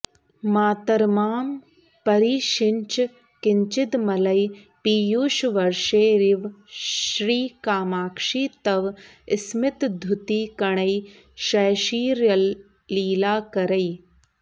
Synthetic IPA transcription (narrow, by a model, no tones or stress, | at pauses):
maːt̪ɐɾmaːm | pɐɾiːʃɪɲt͡ʃ | kɪɲt͡ʃɪt̪mɐlɐj | piːjuːʃʋɐɾʃeːɾiʋʃɾiːkaːmaːkʂiːt̪ɐʋ | ɪsmɪt̪d̪ʱuʊt̪iːkɐɳ̃ɐj | ʃɐːʃiːɾɐː | iːlaːkɐɾɐj